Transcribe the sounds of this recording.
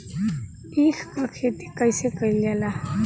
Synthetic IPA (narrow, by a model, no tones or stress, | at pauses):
ikʰkakʰet̪ikəjsekəiljala